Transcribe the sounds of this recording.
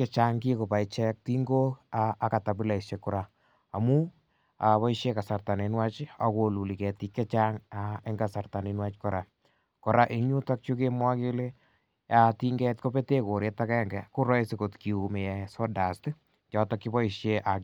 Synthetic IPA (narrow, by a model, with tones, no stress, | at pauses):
kɛ˦t͡ʃa˦ŋki˦ko˨pa˨i˨t͡ʃɛ˦k̚ti˦ŋɡo˦aː˦˨ka˨ta˨bi˦la˨i˨ʃe˨ku˨ɾa˨ | a˨mu˦ | a˨βɔ˦i˦ʃje˦ka˨sa˨rta˨ne˨nwa˦t͡ʃa̰˨ko˨lu˨li˨kɛ˨ti˦kːɛ˦t͡ʃa˦ŋa˦e˦ŋɡa˨sa˨rta˨ni˨nwa˦t͡ʃkɔ˨ɾa˨ | kɔ˨ɾa˦ʔe˦ŋɲu˦ta˦k̚t͡ʃu˦ke˦mwa˦ke˦le˦ | ja˦ti˦ŋɡɛ˦tko˦pe˦te˦ko˨ɾe˦ta˦kɛ˦ŋɡɛ˨ku˦ɾɔ˦jsi˨ko˨tki˨u˨me˨jɛ˨sɔ˦da˨st | t͡ʃɔ˨tɔ˦ki˦bɔ˦i˨ʃje˦ʔa˨